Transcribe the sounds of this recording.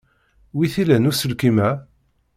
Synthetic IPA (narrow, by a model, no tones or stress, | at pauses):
wiθilænusəlkimæ